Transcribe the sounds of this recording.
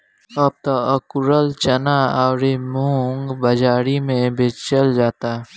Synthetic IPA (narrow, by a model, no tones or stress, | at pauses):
ɐb̚t̪aəkʊɾəlt͡ʃɐnaaɾemuŋɡbəd͡ʒaːɾimẽbʱet͡ʃəld͡ʒaːt̪a